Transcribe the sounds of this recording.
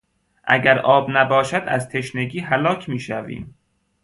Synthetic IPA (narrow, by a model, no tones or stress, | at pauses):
ʔæ̰ɡæɾʔɒːbnæbɒːʃæd̪æzt̪ʰe̞ʃneɡiːɦælɒːcʰmiːʃævḭːm